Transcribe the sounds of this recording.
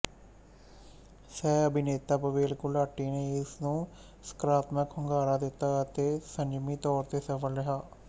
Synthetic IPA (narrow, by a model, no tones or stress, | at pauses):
sɛːəbɪneːt̪aːpəʋeːlkʊlaːʈiːneːɪsnũː | sə̥kɾaːt̪məkhʊŋɡaːɾaːd̪ɪt̪ːaːət̪eːsəɲd͡ʒmiːt̪ɔːɾt̪eːsəfʰəlɾɪɦaː